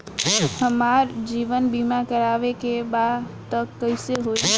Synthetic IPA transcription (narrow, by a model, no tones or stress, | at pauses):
həmaɾd͡ʒiːʋənbimakəɾaːʋekebat̪əkːəɪseɦo